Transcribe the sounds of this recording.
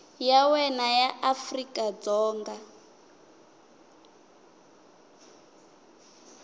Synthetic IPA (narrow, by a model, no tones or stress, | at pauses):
jawɛnajaʔafrikʼad͡zɔːŋɡa